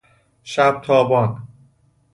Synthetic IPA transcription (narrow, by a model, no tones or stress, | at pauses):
ʃæb̚t̪ʰɒːbɒːn